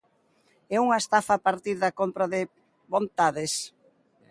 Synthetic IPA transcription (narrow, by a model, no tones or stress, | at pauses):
ɛuŋɐest̪afapaɾt̪iɾðɐkompɾaðɪ | βont̪aðes